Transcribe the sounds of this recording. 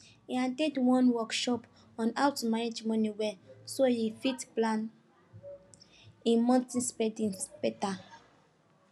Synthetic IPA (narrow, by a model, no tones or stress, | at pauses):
iãntedwɔ̃nwɔkʃɔp | ɔ̃nawtmaned͡ʒmɔnĩwɛsojifitplãn | ĩnmɔ̃ntĩspɛdĩnspɛta